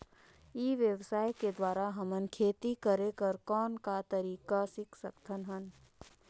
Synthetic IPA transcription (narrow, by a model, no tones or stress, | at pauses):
iːʋjəʋsaːjked̪waːɾaɦəmənkʰeːt̪ikəɾekəɾkɔːnkat̪ɐɾiːkasɪkʰsəkt̪ʰənɦən